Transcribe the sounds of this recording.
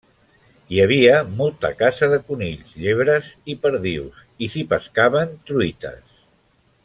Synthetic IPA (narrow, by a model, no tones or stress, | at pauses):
jəβiəmɔlˠt̪ə̰kazəðəkuniʎzʎeβɾəzipəɾðiws | isipəskaβənt̪ɾuit̪ə̰s